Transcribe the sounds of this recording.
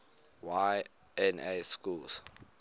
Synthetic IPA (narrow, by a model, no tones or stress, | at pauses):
wa | ɛ̃neskuls